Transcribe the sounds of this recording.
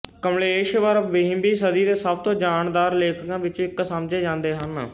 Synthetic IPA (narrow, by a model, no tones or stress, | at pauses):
kəmleːʃʋəɾbeɦɪ̃mbiːsəd̪iːd̪eːsəb̚t̪õːd͡ʒaːnd̪aːɾleːkkãːʋɪt͡ʃɪksəmd͡ʒeːd͡ʒãːnd̪eːɦən